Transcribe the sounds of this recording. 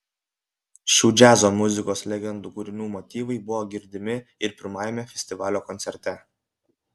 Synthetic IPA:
ʃʲuːd͡ʒʲæːzoːmʊzʲɪkoːslʲɛɡʲɛnd̪uːkuɾʲɪnʲuːmɔt̪ʲiːʋɐɪbʊʋɔːɡʲɪɾʲd̪ʲɪmʲɪɪɾpʲɪɾmɑːjɛmʲɛfʲɛsʲt̪ʲɪʋɑːlʲoːkɔnʲtsʲɛɾʲt̪ʲɛ

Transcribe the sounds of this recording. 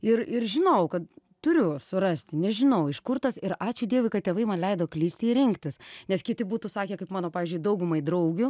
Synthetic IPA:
ɪrɪɾʒʲɪnɐʊkɐt̪ | t̪ʊɾʲʊsʊɾɐsʲt̪ʲɪnʲɛʒʲɪnɐʊɪʃkʊrt̪ɐsɪɾɑːt͡ʃʲʊd̪ʲiɛʋʊɪkɐt̚tʲeːʋɐɪmɐnlʲɛɪd̪oːklʲiːsʲt̪ʲɪɪɾʲɪŋkt̪ʲɪsnʲɛskʲɪt̪ʲɪbuːt̪uːsɑːkʲeːkɐɪpmɑːnoːpɑːʋʲiːzʲd͡ʒʲʊɪd̪ɐʊɡʊmɐɪd̪ɾɐʊɡʲʊ

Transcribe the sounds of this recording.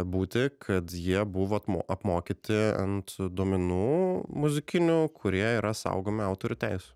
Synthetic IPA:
buːt̪ʲɪkʰɐt̪jiɛbʊʋoːt̪moʔɐpmoːkʲiːt̪ʲɪɐ̰nt̪d̪uɔmʲɪnuːmʊzʲɪkʲɪnʲukʰʊɾʲiɛiːɾɐsɐ̰ʊɡoːmʲɪɑʊt̪oːɾʲʊːt̪ʲæɪsʲʊ

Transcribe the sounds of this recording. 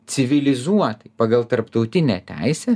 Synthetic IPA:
t͡s̪ʲɪʋʲɪlʲɪzuɔt̪ɐɪpɑːɡɐlˠt̪ɐɾpt̪ɐʊt̪ʲɪnʲɛ̰ːt̪ʲæ̰ɪsʲɛː

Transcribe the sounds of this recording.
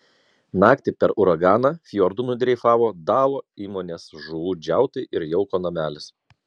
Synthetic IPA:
nɑːkt̪ʲɪpʲɛɾʔʊɾɐɡɑːnɑfʲjɔɾd̪unʊd̪ʲɾʲɛɪfɑːʋoːd̪ɑːlˠoːiːmoːnʲeːsʒʊʋuːd͡ʒʲæˑʊt̪ɐɪʔɪɾjɛʊkoːnɐmʲæːlʲɪs

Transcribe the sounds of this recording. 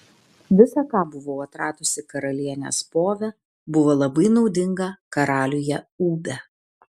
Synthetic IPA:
ʋʲɪsɑkɑːbʊʋoːɐt̪ɾɑːt̪ʊsʲɪkɐɾɐlʲiɛnʲḛspoːʋʲɛ | bʊʋoːlˠɐbɐɪnɒʊd̪ʲɪŋɡɐkɐɾɑːlʲʊjɛuːbʲɛ

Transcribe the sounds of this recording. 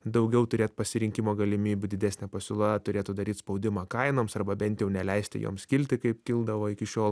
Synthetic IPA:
d̪ɐʊɡʲɛʊt̪ʊɾʲeːt̪pɐsʲɪɾʲɪŋʲkʲɪmoːɡɐlʲɪmʲiːbʲʊd̪ʲɪd̪ʲæːsʲnʲɛpɐsʲʊlˠɐt̪ʊɾʲeːt̪ʊd̪ɐɾʲiːt̪spɒʊd̪ʲɪmɑːkɐɪnoːmsɐrbɐbʲɛnʲt̪ʲjɛʊnʲɛlʲɛɪsʲt̪ʲɪ̰jo̰ːmskʲɪlʲt̪ʲɪkɐɪpkʲɪlˠd̪ɐʋoːɪkʲɪʃʲoːlˠ

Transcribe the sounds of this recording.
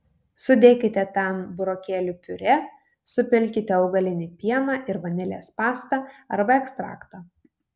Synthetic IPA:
sʊd̪ʲeːkʲɪt̪ʲɛt̪ʲɛnbʊɾoːkʲeːlʲuːpʲʊɾʲɛ | sʊpʲɪlʲkʲɪt̪ʲɛɒʊɡɐlʲɪnʲɪpʲiɛnɑːʔɪɾʋɐnʲɪlʲeːspɑːst̪ɑɐɾbɐɛkst̪ɾɑ̰ːkt̪ɑː

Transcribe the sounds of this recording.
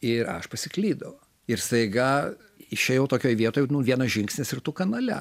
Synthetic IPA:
ɪɾɐ̰ʃpɐsʲɪklʲiːd̪ɐʋo | ɪɾst̪ɐɪɡɐ | ɪʃʲeːjɛʊt̪oːkʲoːjʋʲiɛt̪oːjɛnʊʋʲiɛnɐsʒʲɪŋksʲnʲɪsɪrt̪ʊkɐnɐlʲɛ̰

